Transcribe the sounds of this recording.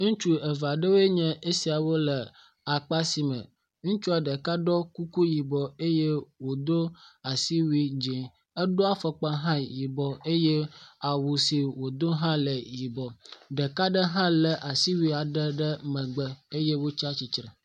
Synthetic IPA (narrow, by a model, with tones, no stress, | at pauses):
ŋũ˦t͡ʃu˦ə˨va˨ɖə˦we˦ɲɛ̃˦ʔe˦si˨a˨wo˦lə˨ | a˨k͡pa˦si˨mə̰̃˨ | ŋũ˦t͡ʃu˦a˨ɖə˨ka˦ɖɔ˦ku˦ku˦ji˨bɔ˨e˦je˦wo˨d̪o˦a˨si˦wi˦d͡ʒe˨ | ə˦ɖo˦a˦fə˦k͡pa˦ɦã˦ji˨bɔ˨e˦je˦a˨wu˨si˨wo˨d̪o˦ɦã˦lə˨ji˨bɔ˨ɖə˨ka˦ɖə˦ɦã˦lə˨ʔa˨si˦wi˦a˨ɖə˦ɖə˦mə̃˨ɡ͡bə˦e˦je˦wo˦t͡ʃa˦t͡ɕi˨t͡ʃɾə˨